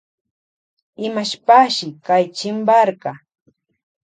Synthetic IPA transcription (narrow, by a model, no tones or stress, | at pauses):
ɪmaʃpaʃɪkajt͡ʃɪmbaɾɢɑ